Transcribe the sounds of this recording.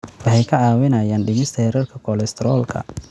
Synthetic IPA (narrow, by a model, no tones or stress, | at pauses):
wɑħɛjkʰɐʕɑːwɪnɐːjaːnɖɪmɪst̪ʰɐhɛɾɛrkʰɐkʰɔlɛst̪ʰɛɾɔːlkʰɐ̰